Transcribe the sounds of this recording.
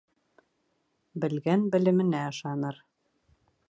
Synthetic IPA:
bɘ̆lɡænbɘ̆lɘ̆mɘ̆næɤ̆ʃɑnɤɾ

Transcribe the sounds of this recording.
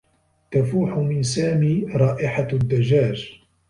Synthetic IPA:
t̪afuːħʊmɪnsaːmiːɾˤɑːʔɪħad̪ːad͡ʒaːd͡ʒ

